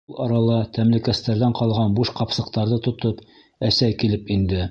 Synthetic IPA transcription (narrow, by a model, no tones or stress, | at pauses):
lˠɑɾɑlˠɑt̪æmlɘ̆kæst̪æɾðæɴqɑlˠʁɑnbuʃqɑpsɤ̆qt̪ɑɾðɤt̪ŏt̪ɤp | æsæjkilɘpind̪ɘ